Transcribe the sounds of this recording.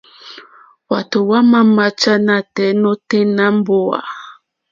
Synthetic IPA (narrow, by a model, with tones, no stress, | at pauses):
wa˨to˨wa˦ma˦ma˦t͡ʃa˦na˦tɛ˨˦no˦te˦na˦m˦bo˦a̰˨